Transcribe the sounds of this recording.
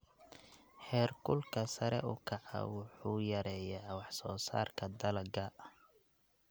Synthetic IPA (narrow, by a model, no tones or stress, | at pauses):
ħɛːrkʰʊlkʰɐsɐɾɛ̰ʔʊ̰kʰɐʕɑ̰wʊħuːjɐɾɛːjawɑħsɔːsa̰ːrkʰɐd̪ɐlɐɡɐ